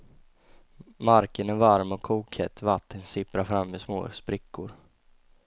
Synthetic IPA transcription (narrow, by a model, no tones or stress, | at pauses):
maɾkənævaɾmɔkʰːuːkhɛt̪ʰːvat̪ʰːənsɪpɾaɾfɾamːɛsmo̰ːspɾɪkʰːʊɾ